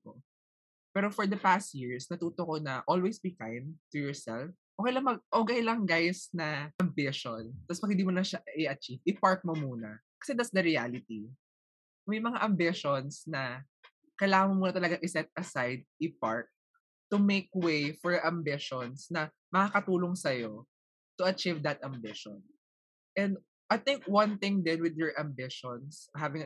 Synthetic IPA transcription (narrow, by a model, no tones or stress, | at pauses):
ʔo | pɛːɾofɔɹd̪ɐpast̪̚jiɹsnɐt̪uːt̪okonɐʔolwejsbikajmt̪ujɔɹsɛlfʔoːkɛjlɐmɐʔoːkɐjlɐŋɡajsnɐʔɐmbɪʃont̪ɐspɐɡ̚ɪ̃nd̪imolɐʃaɪɐt͡ʃivɪpaɹk̪̚momuːnɐ | kɐ̥sɛd̪ɐt̪sd̪ɐɾialɪt̪i | mɐjmɐŋaʔɐmbɪʃɔnsnɐ | kɐjlaːŋɐŋmomuːnɐt̪ɐlɐɡaŋʔɪsɛt̪̚ɐsajd̪̚ɪpaɹt̚ | t̪ʊmeɪkwejfɔɹʔɐmbɪʃɔnsnɐ | mɐkakɐt̪uːloŋsɐjo | t̪ʊɐt͡ʃivd̪ɐt̪ɐmbɪʃɔ̰n | ʔɛ̃nd̪ | ʔɐjt̪ɪ̃ŋkwɐ̃nθɪ̃ŋd̪ɛnwɪd̪jɔɹʔɐmbɪʃɔnsɦavɪ̃ŋ